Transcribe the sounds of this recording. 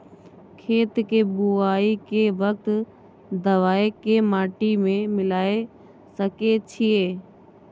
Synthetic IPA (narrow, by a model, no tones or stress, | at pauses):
kʰeːt̪kebuaːikeʋək̚t̪ | d̪əʋaːekemaːʈimẽmɪlaːe | səket͡ʃʰieː